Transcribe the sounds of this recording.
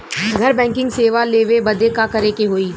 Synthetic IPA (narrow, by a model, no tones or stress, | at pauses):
ɡʱɐɾbɛ̃ːŋkɪ̃ŋɡseːʋaleːʋebɐd̪ekakɐɾekeɦoːiː